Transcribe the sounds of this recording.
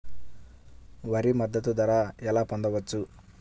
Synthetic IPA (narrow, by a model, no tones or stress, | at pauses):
ʋɐɾimɐd̪ːɐt̪ud̪ɐɾaːɛlaːpond̪ɐʋɐt͡ʃːu